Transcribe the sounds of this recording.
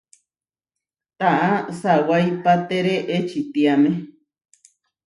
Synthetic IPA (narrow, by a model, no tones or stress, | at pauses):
t̪aʔasawajpat̪eɾeʔet͡ʃit̪iamẽ